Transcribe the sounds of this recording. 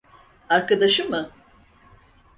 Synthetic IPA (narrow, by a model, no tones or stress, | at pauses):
aɾkad̪aʃɯmɯ